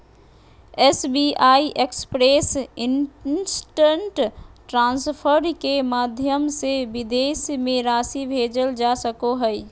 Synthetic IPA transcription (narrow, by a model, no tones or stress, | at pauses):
ɛsbiʔaːiʔekspɾeːsɪnsʈə̃ɳʈʈɾãːnspʰəɾkemaːd̪ʱjəmseʋɪd̪eːsmẽɾaːsibʱeːd͡ʒəld͡ʒasəkoɦɛi